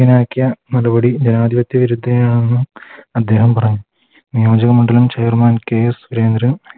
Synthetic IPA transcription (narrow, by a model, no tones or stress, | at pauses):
inaːkːijɐnɐrubɐɽid͡ʑenaːd̪iʋɐt̪ːjɐʋiɾud̪ʱːɐjaːɳenːɨɐd̪ːe̞ːɦɐmpɐrɐɲːu | nijoːd͡ʑɐɣɐmuɳɖɐlumt͡ɕɐjrmaːnkeːsuɾeːnd̪ɾɐ